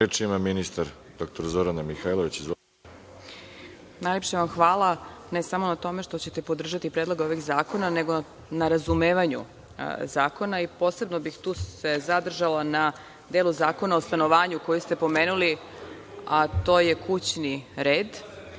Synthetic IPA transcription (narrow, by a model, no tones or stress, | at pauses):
et͡ʃimaminist̪aɾ | d̪̥ok̚t̪oɾzoɾanamixajlˠoʋit͡ɕiz | najlepʃeʋamxʋaːlˠane̞samo̞nat̪o̞me̞ʃt̪o̞t͡ɕe̞t̪e̞po̞d̪r̩ʒat̪ipɾed̪lo̞ɡao̞ʋiɣzaːko̞nane̞ɡo̞ | naɾazumeːʋaɲṵ | zaːko̞naipo̞ːse̞bnobixt̪uːse̞zad̪r̩ʒalana | d̪eluzaːko̞naost̪ano̞ʋaːɲuko̞just̪e̞po̞meːnuli | at̪o̞ːje̞kʰut͡ɕniɾeːd̪